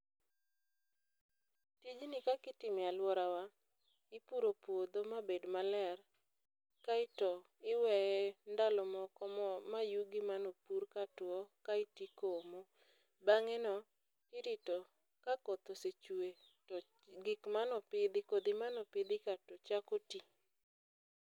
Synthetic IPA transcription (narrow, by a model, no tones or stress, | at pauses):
tid͡ʒnɪkakɪtɪmɪalwɔɾawa | ɪpuɾopwod̪omabedmalɛr | kaɪtɔ | ɪwɛjɛndalɔmɔkɔmɔmajuɡɪmanɔpuɾkatwɔkaɪtikomɔ | baŋɛnɔ | kɪɾɪtɔ | kakot̪oset͡ʃue | ɡɪkmanɔpɪd̪ɪkod̪ɪmanɔpɪd̪ɪkatɔt͡ʃakoti